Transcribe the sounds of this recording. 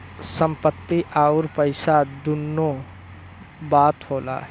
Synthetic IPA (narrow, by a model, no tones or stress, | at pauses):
sə̃mpət̪ːiʔaːʊɾpəɪsad̪unːo | baːt̪hoːla̰ː